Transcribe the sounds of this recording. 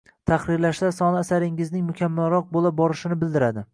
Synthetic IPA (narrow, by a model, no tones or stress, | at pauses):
t̪ʰaχɾɪɾlaʃsasɒnaːsaɾɪŋɪznɪŋmʊkʲʰamːalɾɒq̚bolˠabɒɾɪʃɪnɪbɪld̪ɪɾad̪ɪ